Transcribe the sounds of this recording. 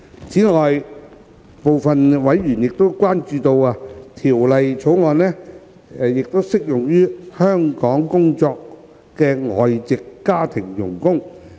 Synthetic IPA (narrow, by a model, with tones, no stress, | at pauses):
t͡sʰiː˨˥ŋɔː˨j | po˨˧wfɐ˨nwɐ˨˥jɥyː˨˩njɪ˨k̚t̪o˥wkʷwaː˥nt͡ʃyː˧t̪o˧waː˧t̪ʰiː˨˩wlɐ˨jt͡sʰo˨˥wŋɔː˨˧nɛː˥˨ | jɪ˨k̚t̪o˥wsɪ˥k̚jʊ˨ŋjyː˥hœː˥ŋkɔː˨˥ŋkʊ˥ŋt͡sɔː˧k̚ | kɛː˧ŋɔː˨jt͡sɪ˨kːaː˥t̪ʰɪ˨˩ŋjʊ̰˨˩ŋkʊ˥ŋ